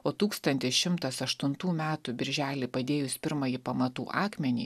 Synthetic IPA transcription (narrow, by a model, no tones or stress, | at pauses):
oːt̪uːkst̪ɐnʲt̪ʲɪsʃʲɪmt̪ɐsɐʃt̪ʊnt̪uːmʲæːt̪ʊbʲɪɾʲʒʲæːlʲɪpɐd̪ʲeːjʊspʲɪɾmɐjiːpɐmɐt̪ṵːʔɑːkmʲɛnʲḭː